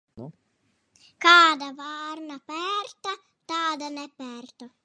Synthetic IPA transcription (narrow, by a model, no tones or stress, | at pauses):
kaːd̪avarnapɛɾt̪a | t̪aːd̪anɛpːɛrt̪o